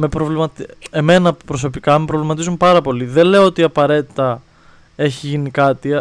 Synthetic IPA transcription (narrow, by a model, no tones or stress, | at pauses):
mepɾovlimɐt̪e̞me̞nɐpɾo̞s̬o̞pikɐmepɾo̞vlimɐt̪izumpɐɾɐpo̞liðenle̞oot̪iɐpɐɾe̞t̪i̥t̪ɐ | e̞çiʝinikɐt̪i